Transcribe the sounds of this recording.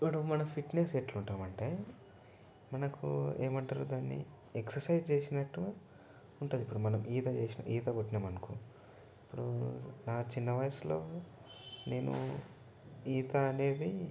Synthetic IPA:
pːuɽumɐnɐmpʰiʈne̞seʈluɳʈaːmɐɳʈeː | mɐnɐkʰṵeːmɐɳʈaːɾuːd̪aːnːḭ | eksɐɾsɐjd͡ʒt͡ʃe̞ːsinɐʈːuɡa | uɳʈund̪ipːuɽumɐnɐmiːt̪ɐt͡ʃeːsinɐ̰ʔiːt̪ɐboʈːinɐmɐnɐku | ipːuɽṵnaːt͡ʃinːɐʋɐjɐslo̞ː | ne̞ːnṵ | iːt̪ɐɐne̞ːd̪i

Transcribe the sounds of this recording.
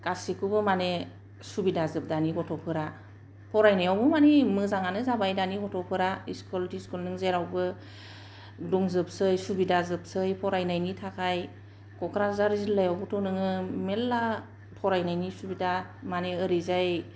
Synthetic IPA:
kasikubɯmane | subidazɯp̚daniɡɔtʰɔpʰɯɾa | pʰɔɾajnajawbɯmanimɯzaŋanɯzabajdaniɡɔtʰɔpʰɯɾaiskɔltiskulnɯŋzeɾawbɯ | duŋzɯp̚sɯjsubidazɯp̚sɯjpʰɔɾajnajnitʰakʰaj | kɔkʰɾazaɾizilːajawbɔtʰɔnɯŋɯmelːa | tʰɔɾajnajnisubidamaneɯɾizaj

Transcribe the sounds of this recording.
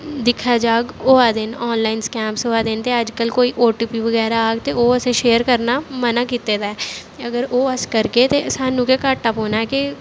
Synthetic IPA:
d̪ɪkʰad͡ʒaːɡoːaːd̪ɪnɔːnlaːɪnskɛ̃ːmpsoaːd̪ent̪eəd͡ʒkəlkoːiːʔoːʈiːpiʋəɡɛːɾaaːɡt̪eoːəsẽʃeːəɾkəɾnamənaːkiːt̪eːd̪aɛːəɡəɾoːəskəɾket̪esaːnːũːkekaʈəpɦoːnaɛke

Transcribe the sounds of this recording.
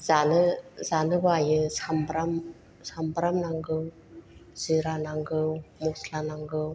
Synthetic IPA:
zanɯzanɯbajɯsambɾam | sambɾamnaŋɡɯw | z̥iɾanaŋɡɯwmɔslanaŋɡɯw

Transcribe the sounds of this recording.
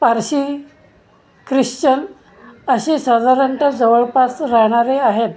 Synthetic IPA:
paɾɕiː | kɾiɕt͡ɕən | əɕiːsəd̪ʱaɾəɳʈəd͡zəʋəɭpasɾaɦɽ̃aɾeaɦe

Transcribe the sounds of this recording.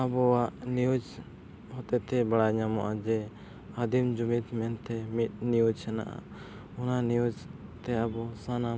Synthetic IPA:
abɔwaʔnijud͡ʒ | hɔt̪ɛt̪ʰɛbaɽaɲamɔʔad͡ʒɛ | ad̪ʱimd͡ʒumit̪mɛnt̪ʰɛmit̪̚ˀnijud͡ʒhɛna̰ʔa̰ | ɔnaniud͡ʒt̪ɛabɔsana

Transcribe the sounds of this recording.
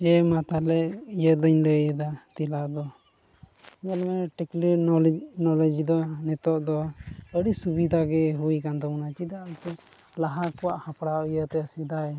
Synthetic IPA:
ɛmat̪alɛijəd̪ɔɲləjd̪at̪ilad̪ɔ | iɲalmɛʈɛkliɾnɔlnɔlɛd͡ʒid̪ɔnɛt̪ɔʔd̪ɔəɽisubid̪ʱaɡɛɦujkant̪ɔnat͡ʃid̪aalt̪ɛ | laɦakɔwaʔhapɽawijət̪ɛəsid̪aɛ

